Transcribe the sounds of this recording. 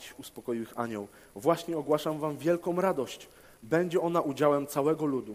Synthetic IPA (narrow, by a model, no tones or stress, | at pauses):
t͡ɕuspɔkɔjiwɘxa̰ɲɔw | vwaɕɲɛɔɡwaʂamvamvʲjɛlkɔ̃w̃ɾad̪ɔɕt͡ɕ | bɛɲd͡ʑɛɔnaʔud͡ʑawɛmt̪sawɛɡɔlud̪u